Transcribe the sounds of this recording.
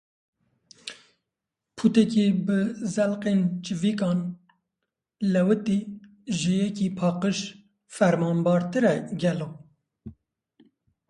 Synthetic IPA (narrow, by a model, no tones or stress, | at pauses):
pʰut̪ɛkibɨzɛlqent͡ʃɨvikɑːn | lɛwɨt̪i | ʒɨjɛkipʰɑːqəʃ | fɛɾmɑːmbɑːɾt̪ɨɾɛɡɛlo